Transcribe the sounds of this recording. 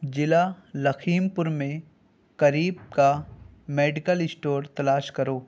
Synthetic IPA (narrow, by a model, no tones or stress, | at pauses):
d͡ʒɪla | lɐkʰiːmpʊɾmẽ | kɐɾiːb̚ka | meːɖɪkəlɪsʈoːɾt̪ɐlaːʃkɐɾoː